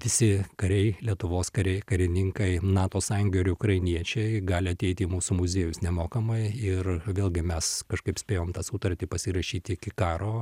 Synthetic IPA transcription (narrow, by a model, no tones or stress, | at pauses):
ʋʲɪsʲɪkɐɾʲɛɪlʲiɛt̪ʊʋoːskɐɾʲɛɪkɐɾʲɪnʲɪŋkɐɪnɑːt̪oːsɑːjʊŋɡʲoːɪɾʊkɾɐɪnʲiɛt͡ʃʲɛɪɡɑːlʲɪɐt̪ʲɛɪt̪ʲɪiːmuːsuːmʊzʲeːjʊsnʲɛmoːkɐmɐɪɪrʋʲeːlʲˠɡʲɪmʲɛskɐʃkɐɪpsʲpʲeːjoːmt̪ɑːsuːt̪ɐɾʲt̪ʲɪpɐsʲɪɾɐʃʲiːt̪ʲɪɪkʲɪkɑːɾoː